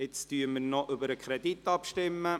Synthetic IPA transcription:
ɪt͡styːməɾnɔʔʏbəɾəkʰɾɛditɑpʃtɪmːə

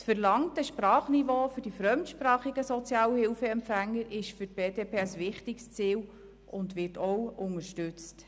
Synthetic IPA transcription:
sfəɾlɑŋtəʃpɾɑːχnivoːfʏɾd̥ifɾœmtʃpɾɑːχiɡəsɔt͡sjɑːwəhɪlfəɛmpfæŋːəɾɪʃfʏt̚b̥eːdeːpʰeːəsʋɪχtikst͡siːl | ʔʊndʋɪtʰɔwʊŋəɾʃtʉt͡st

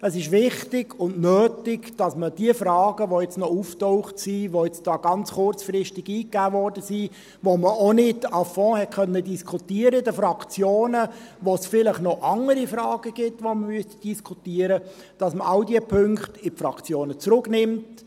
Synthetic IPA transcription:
əsɪʃʋɪχtɪɡ̥ʊndnøːtɪɡd̥ɑsməd̥iəfɾɑːɡ̥əʋojɛt͡snɔuːftɔʊχtsiːʋoɛt͡sd̥ɑːɡ̥ɑnt͡sχʊɾt͡sfɾɪʃtɪɡiːkːæːʋɔrdəsiː | ʋoməonɪdɑfɔ̃ːhɛtkʰœnːədiskʰutiːəɾəɪdəfɾɑkt͡sjoːnəʋosfɪləχnɔʔɑŋəɾifɾɑːɡ̥əɡ̥ɪtʋoməmyəstd̥iskʰutiːəɾə | d̥ɑsməʔɑʊdiəpʰʏŋkχtɪpfɾɑkt͡sjoːnət͡sɾʊknɪmt

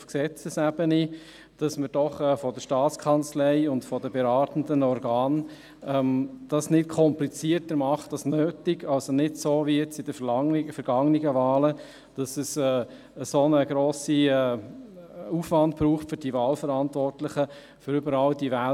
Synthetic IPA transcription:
fksɛt͡səsæbəni | d̥ɑsməd̥ɔχɛːfɔdəʃtɑːt͡skʰɑnt͡slɛɪʊntfɔdəbeɾɑːtən̩dənɔɾɡɑːn | ɛmd̥ɑsnɪtkʰɔmplit͡siətəɾmɑχtɑsnøːtɪɡɑlsonɪdsoːviiɛt͡sɪd̥əfŋfəɾɡ̥ɑŋniɡəvaːlə | d̥ɑsəsɛː | əsonəɡɾoːsiɛː | ufʋɑntbɾuːχtfʏɾdivɑːlfəɾɑntvɔrtlɪχə | fʏɾʏbəɾɑldivæ

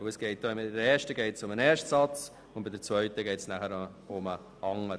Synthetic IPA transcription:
əsɡ̥ɛɪt̚d̥oːɪmdɾeːɾʃtəɡɛɪtsʊmənɛːɾʃtsɑt͡s | ʊn̚bɪd̪əɾt͡sʋœʏtəɡɛɪtsnæχəɾ | ʊmə | ɑŋəɾ

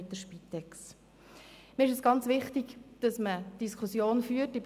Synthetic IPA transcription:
t̪əʃpit̪ːɛks | miɪʃ̬ɛsɡ̥ɑnt͡sʋɪχtiɡd̥ɑsməd̥iskʰχusjoːnfyːətːib

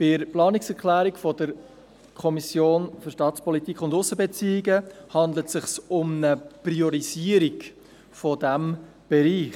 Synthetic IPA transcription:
b̥ɪɾplɑːniksɛɾkʰlæːɾikfɔdəɾ | kʰɔmisjoːnføɾʃtɑːtspɔlitikχʊndʊsːəbɛt͡siːɪɡəhɑndlətsɪχsʊmnəpriɔɾiziəɾiɡ | fɔdæm | b̥ɛɾiːχ

